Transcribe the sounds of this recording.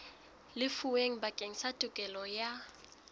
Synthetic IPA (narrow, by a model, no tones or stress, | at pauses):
lɪfuweŋ̩bakʼeŋ̩satʼʊkʼɛlɔja